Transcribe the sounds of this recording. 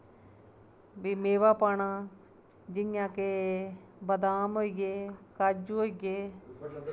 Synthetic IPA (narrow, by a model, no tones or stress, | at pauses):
bimeːʋaːpaːɳãː | d͡ʒɪnjãːkeː | bəd̪aːmɦoːiɡeːkəd͡ʒuɦoːiɡeː